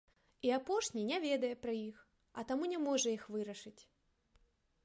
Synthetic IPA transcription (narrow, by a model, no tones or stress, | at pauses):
iapɔʂnʲinʲɛvʲed̪ɐjɛpɾɐjix | ɐt̪amunʲɛmɔʐɐixvɨɾɐʂɨt͡sʲ